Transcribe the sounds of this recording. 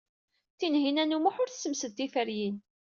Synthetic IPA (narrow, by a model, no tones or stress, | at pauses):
θinɦinænumʊħʊɾθsəmsəd̪t̪ːifəɾjin